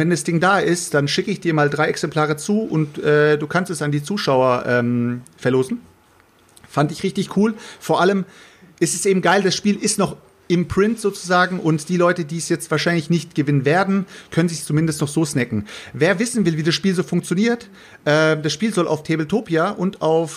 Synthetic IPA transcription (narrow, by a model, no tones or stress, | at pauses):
vɛndasd̥ɪŋdaːʔɪstd̥anʃɪkəɪçd̥iːɐmaːldʁaɪɛksɛmpʰl̥aːʁ̞ət͡suːʔʊntʔɛːd̥uːkʰanstɛsandiːt͡suːʃaʊɐʔɛːmfɛɐloːzn̩ | fandɪçʁɪçtɪçkʰuːlfoːɐʔaləm | ʔɪstɛsʔeːbm̩ɡaɪldasʃpiːlʔɪstnɔχ | ʔɪmpʁ̥ɪntz̥oːt͡suzaːɡŋ̩ʔʊntd̥iːlɔʏtədiːɛsjɛt͡stv̥aːɐʃ̬aɪnlɪçnɪçtɡ̥əvɪnənveːɐdn̩kʰœnənzɪçst͡sumɪndəstnɔχz̥oːsnɛkŋ̩veːɐvɪsn̩vɪlviːdasʃpiːlzoːfʊŋkt͡sjoniːɐt | ʔɛːd̥asʃpiːlzɔlʔa̰ʊftʰeːbl̩tʰoːpjaʔʊntaʊf